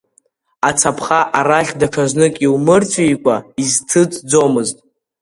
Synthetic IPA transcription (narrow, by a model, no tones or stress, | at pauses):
at͡sʰapʰχaʔaɾaχʲdaʈ͡ʂʰaznɨkʼiwmɨrt͡sʷʰʼjkʷʼaiztʰɨt͡sʼd͡zomɨztʼ